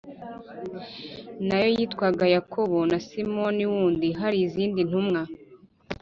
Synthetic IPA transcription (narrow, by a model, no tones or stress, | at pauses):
najo̞jitkwaɡajakʰo̞βonasimo̞niwuːndiɦaɾiːziːndin̥humŋa